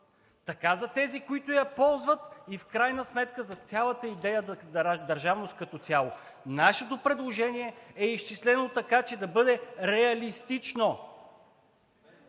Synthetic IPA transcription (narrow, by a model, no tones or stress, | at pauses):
t̪ɐkazɐt̪ɛzikoit̪ʊjɐpɔlˠzvət̪ifkɾajnəsmɛt̪kəzɐt̪sʲjalˠət̪əid̪ɛjəɾd̪ɐɾʒavnost̪̚kɐt̪ɔt̪sʲalˠo | naʃɛt̪opɾɛd̪lˠoʒɛniɛɛiʃt͡ʃislɛnot̪ɐkat͡ʃɛd̪ɐbɤd̪ɛɾɛɐlist̪it͡ʃno